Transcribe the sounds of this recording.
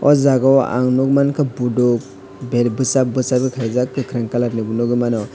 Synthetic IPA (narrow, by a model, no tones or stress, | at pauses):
ɔ̰zaɡɔwa̰ŋnɔk̚mankʰabudɔk̚ | beɾbɯsabɯsabikʰajzakːɯkʰɾaŋkalaɾnɯbunɔɡɯmanɔ